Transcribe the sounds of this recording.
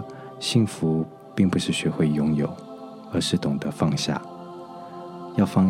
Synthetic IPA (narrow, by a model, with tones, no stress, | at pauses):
ɕi˥˩ŋfu˧˦˥ | pi˥˩ŋpu˨˩ʂɻ̩˥˩ɕɥɛ˧˥xwe˥˩ɪjʊ˥ŋjo̰˨˩ʊ | ə˧˥ʂɻ̩˥˩t̪ʊ˨˩ŋd̪ə˦fɑ˥˧ŋɕja̰˥˩ | jɑ˥˧ʊfɑ˥˧